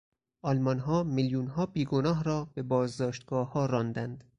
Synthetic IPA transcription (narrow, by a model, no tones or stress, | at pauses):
ʔɒlmɒnɦɒːmiljuːnɦɒːbiːɡonɒːɦɾɒːb̥e̞bɒːzd̪ɒːʃt̪ɡ̥ɒːhɒːɾɒːnd̪ænd̪̥